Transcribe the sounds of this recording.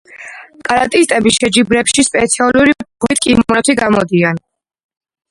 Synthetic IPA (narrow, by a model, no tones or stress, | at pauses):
kʼaɾat̪ʼist̪ʼɛbiʃɛd͡ʒibɾɛpʃispʼɛt̪sʰialˠuɾibʁwit̪̚ʰkʼimmɾɛt̪ʰiɡamɔd̪ian